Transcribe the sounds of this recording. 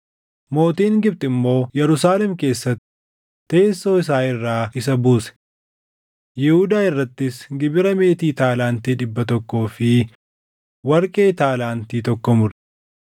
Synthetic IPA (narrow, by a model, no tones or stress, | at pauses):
mo̞ːt̪iːŋɡɪb̚t̪ʼɪmːo̞ːjɛɾʊsaːlɛmke̞ːsːɐt̪ːɪ | e̞ːsːo̞ːɪs̬aːɪrːaːɪsɐbuːsɛ̥ | jɪhʊd̪aːɪrːɐt̪ːɪsɡɪbɪɾɐme̞ːt̪iːt̪aːlaːnt̪iːᶑɪbːɐt̪ɔkːo̞ːfɪ | wɐɾkʼe̞ːt̪aːlaːnt̪iːt̪ɔkːɔmʊɾ̥